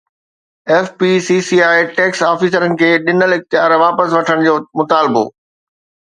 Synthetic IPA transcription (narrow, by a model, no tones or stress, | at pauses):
ɛːfpiːsiːsiːaːiʈeːksaːfiːsəɾənɪ̆kʰeːɗɪnəlɪxt̪ɪjaːɾʋaːpəsʋɐʈʰəɽ̃d͡ʑoːmʊt̪aːlbo̰ː